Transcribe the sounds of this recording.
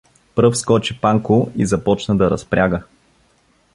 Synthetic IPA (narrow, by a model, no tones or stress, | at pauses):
pɾɤfskɔt͡ʃipaŋkʊizɐpɔt͡ʃnəd̪ɐɾɐspɾʲaɡə